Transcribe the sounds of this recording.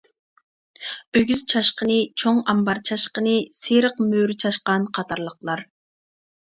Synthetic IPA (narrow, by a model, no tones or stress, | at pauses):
øɡʲyz̥t͡ʃʰɑʃqənɨt͡ʃʰoŋɑmbɑɾt͡ʃʰɑʃqənɨseɾəqmøɾt͡ʃʰɑʃqɑnqʰɑt̪ʰɑɾlˠəqlˠɑɾ